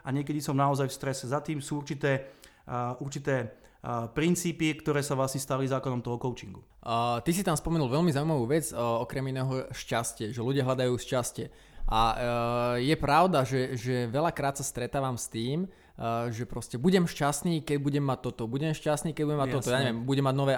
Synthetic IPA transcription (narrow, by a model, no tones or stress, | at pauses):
aɲɪɛkɛd̪isɔmnaɔzajfst̪ɾɛsɛzat̪iːmsuːuɾt͡ʃit̪ɛː | uɾt͡ʃit̪ɛː | pɾint͡siːpikt̪ɔɾɛːsaʋlasɲɛst̪alizaːkɔnɔmt̪ɔɦɔkɔʊt͡ʃiŋɡu | t̪is̬it̪amspɔmɛnulʋɛlmizaʊuimaʋuːʋɛd͡zɔkɾɛminɛːɦɔʃcascɪɛʒɛluɟɪaɦlad̪ajuːʃcascɛ | ʔa | jɛpɾaʊd̪aʒɛʒɛʋɛlakɾaːt̪sast̪ɾɛt̪aːʋamst̪iːm | ʒɛpɾɔscɛbuɟɛmʃcasniːkɛɟ̚buɟɛmːac̚t̪ːɔt̪ɔbuɟɛmʃcast̪niːkɛɟbuɲɟɛmaːɔt̪ɔjaːɲɛʋɛmbuɟɛmːaɟnɔʋɛː